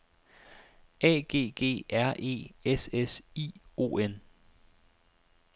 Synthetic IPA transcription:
ʔɛ̰ːɡ̥e̝̰ːɡ̥e̝̰ːʔæɐ̰ʔe̝̰ːesesḭːo̝̰ːen

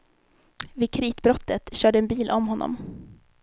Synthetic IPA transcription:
vɪːkʰɾiːt̪bɾɔt̪ːət̪ɕœːɖəɛːnbiːlʔɔmɦɔnːɔ̰m

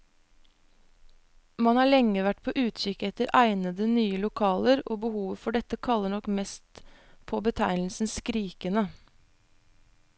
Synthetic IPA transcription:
mɑnhɑːɭɛŋəʋæʈpʰoːʔʉːt̪çʏkɛt̪əɾʔæɪnəd̪ənyːəlʊkʰɑːləɾo̰ːbəhuːʋəfɔɖɛt̪əkʰɑləɳɔkmɛst̪ | pʰoːbət̪ʰæɪnl̩sn̩skɾiːkənə

